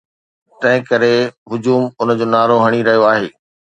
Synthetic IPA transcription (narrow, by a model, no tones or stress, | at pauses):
t̪ɐ̃ɦɪ̃kɐɾeɦʊd͡ʑuːmʊnd͡ʑoːnaːɾoɦɐɽ̃iɾɐɦijoaːɦeː